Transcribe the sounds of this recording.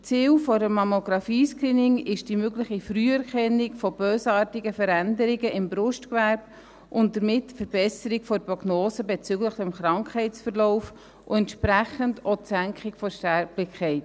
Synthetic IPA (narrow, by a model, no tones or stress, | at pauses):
t͡siːwfɔɾəmɑmoɡɾɑfiːskɾiːnɪŋɪʃd̥imøɡlɪχifryːɛɾkʰɛnːɪkfɔb̥øːsɑːɾtiɡəfəɾændəɾɪɡəʔɪmbɾʊʃtkʋæɾb̥ | ʔʊnt̚d̥əɾmɪtfəɾb̥ɛsəɾɪkfɔprɔɡnoːsəbɛt͡sʏɡləχdɛmχɾɑŋkʰhɛɪtt͡sfəɾlɔʊf | ʔʊ̰ɛntʃpɾæχəndosæŋkʰχɪkfɔʃtɛɾblɪkʰɛɪt